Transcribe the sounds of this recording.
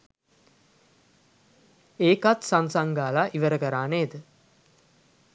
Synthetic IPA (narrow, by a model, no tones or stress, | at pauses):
eːkat̪sansaŋɡaːlaʔiʋəɾəkəɾaːneːd̪ə